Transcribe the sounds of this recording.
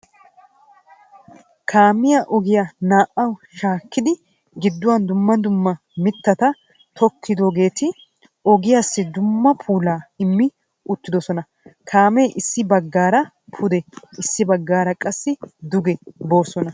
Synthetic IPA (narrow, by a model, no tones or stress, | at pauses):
kʰaːmɪjaʔɔɡɪjanaːʔːɐwʃaːkːɪd̪ɪ | ɡɪd̪ːʊwɐnd̪ʊmːɐd̪ʊmːɐ | mɪt̪ːɐt̪ɐ | t̪ʰɔkʰːɪd̪o̞ːɡe̞ːt̪ɪ | ɔɡɪjaːsːɪd̪ʊmːɐpʰuːlaːɪmːɪ | ʊt̪ːɪd̪ɔsɔnɐ | kʰaːmeʔɪsːɪbɐɡːaːɾɐ | pʰʊd̪ɛɪsːɪbɐɡːaːɾɐkʼɐsːɪd̪ʊɡɛbo̞ːsɔnɐ